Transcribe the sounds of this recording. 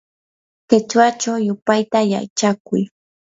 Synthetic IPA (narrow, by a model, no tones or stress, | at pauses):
kɪt͡ʃwat͡ʃawjʊpajt̪aja̰jt͡ʃakʊj